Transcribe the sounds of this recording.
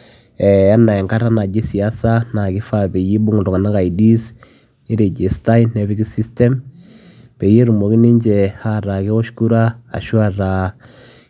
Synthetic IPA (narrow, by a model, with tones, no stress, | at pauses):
ɛ˨a˦nːa˨ɛ˨ŋka˦ɾa˦na˨d͡ʒe˦si˨a˦sa˦na˨ki˦fa˨be˨je˦bu˦ŋu˨dɔ˨ŋa˨na˦ka˨i˨di˦s | i˦ɾe˨d͡ʒe˨sta˦jne˨βi˦ki˦si˦stɛ˦m | pe˨je˦ɾu˨mo˨ki˦ni˦ɲd͡ʒɛ˨ha˦ɾa˨ki˦kɔ˦ʃku˦ɾa̰ː˦˨ʃu˦a˨ɾa˨